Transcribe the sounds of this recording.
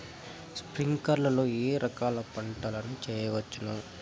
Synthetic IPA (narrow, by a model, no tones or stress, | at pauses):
spɾiŋkɐɾlɐloːeːɾʔɐkaːlɐpɐɳʈɐlɐnut͡ʃɛːjɐʋɐt͡ʃːunu